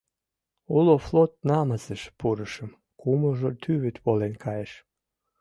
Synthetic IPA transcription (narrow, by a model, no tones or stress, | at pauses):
uloflot̪̚nɑmɑzəʃpuɾəʃəm | kuməʒot̪ʰyβyt̪βolenkʰɑjeʃ